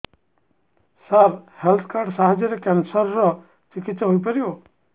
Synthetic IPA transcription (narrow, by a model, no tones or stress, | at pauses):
saɾhelt̪ʰkaɾɖsaɦad͡ʒjɔɾekɛnsəɾːɔ | t͡ʃikit̪sɔɦojpəɾjo